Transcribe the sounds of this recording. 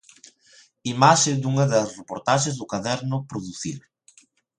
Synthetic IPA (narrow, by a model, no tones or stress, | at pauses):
imaʃɪd̪uŋɐðɐsrepoɾt̪aʃezðʊkaðɛɾnʊpɾoðuθḭɾ